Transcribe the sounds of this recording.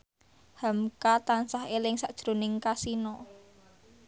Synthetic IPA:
hamkat̪ansaɦelɪŋsaʔd̥ʒ̥ɾo̤nɪŋkasinɔ

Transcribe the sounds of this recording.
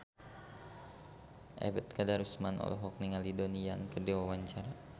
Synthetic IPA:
ʔɛ̰bət̪̚kadaɾusmanɔ̰lɔ̰ɦɔk̚niŋalidoniankədiwawaɲt͡ʃaɾa

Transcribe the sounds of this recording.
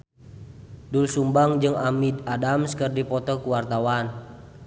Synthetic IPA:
dulsumbaŋd͡ʒɨŋamidadamskərdipɔt̪ɔkuwart̪awan

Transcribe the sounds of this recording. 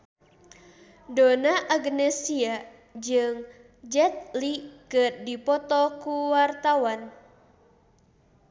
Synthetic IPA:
donaʔaɡnɛsia | d͡ʒɨŋ | d͡ʒɛt̪̚likɨrdipɔt̪ɔkuwart̪awan

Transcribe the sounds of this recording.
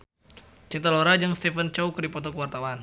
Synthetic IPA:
t͡ʃint̪əloɾad͡ʒaŋst̪ɛfənt͡ʃaukərdipɔt̪ɔkəwart̪awan

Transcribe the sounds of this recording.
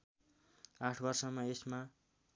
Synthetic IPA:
aʈʰbʌrsʌmʌesma

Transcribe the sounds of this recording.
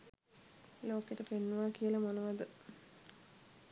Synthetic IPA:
loːkeʈəpenːuʋaːkiəlɐmonəʋad̪ə

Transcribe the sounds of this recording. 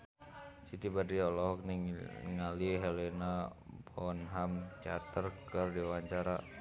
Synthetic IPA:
sit̪ibadiɔlɔɦɔk̚niŋŋaliɦɛlɛnabɔnɦamt͡ʃat̪ərkərdiwaɲt͡ʃaɾa

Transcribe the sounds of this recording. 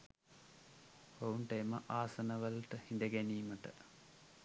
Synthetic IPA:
ouɳʈeːməʔaːsɐnɐʋəlt̪əhind̪əɡæniːməʈə̰

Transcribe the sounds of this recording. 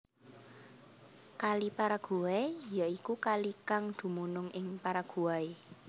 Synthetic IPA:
kalipaɾaɡ̥ṳajaikukalikaŋd̪̥ṳmunʊŋɪŋpaɾaɡ̥ṳae

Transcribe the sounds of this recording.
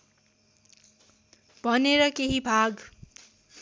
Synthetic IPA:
b̥ʱʌneɾʌkeɦibʱaɡ

